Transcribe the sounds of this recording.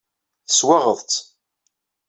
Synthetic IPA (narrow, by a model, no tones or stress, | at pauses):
θəswɑʁəðˤt͡s̪